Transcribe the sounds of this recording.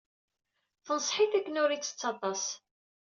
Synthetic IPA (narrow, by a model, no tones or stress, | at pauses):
θənsˤħiθækːənʊɾit͡sːə̥t͡sːɑt̪ˤɑs